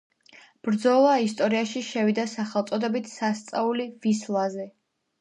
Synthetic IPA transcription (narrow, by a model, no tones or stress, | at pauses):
b̥ɾd̪zɔlˠaist̪ʼɔɾiaʃiʃɛvid̪asaχɛlˠt̪sʼɔd̪ɛbit̪ʰsast̪sʼaulivislˠazɛ